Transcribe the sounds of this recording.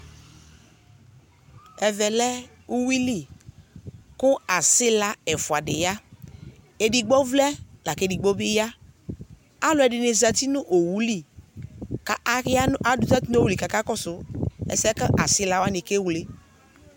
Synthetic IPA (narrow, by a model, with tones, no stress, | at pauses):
ɛ˨vɛ˨lɛ˦ | u˦wi˦li˦˨ | kʊ˦a˨sɪ˦la˦ɛ˨fʊ˨a˨dɪ̰˨ja˦ | e˨di˨ɡ͡bɔ˦vlɛ˦la˨ke˦di˨ɡ͡bɔ˦bɪ˦ja˦ | a˦lʊ˨˦ɛ˨dɪ˨ne˨za˨t̪i˦nʊ˦ʔo˨wu˨˦li˦ | ka˨˦a˦a˨dʊ˨˦za˦ti˦n˦o˦˨wu˨li˨ka˨ka˦kɔ˦sʊ˨˦ɛ̰˨sɛ˦kə˦ʔa˨sɪ˦la˨wa˦nɪ˨ke˦wle˦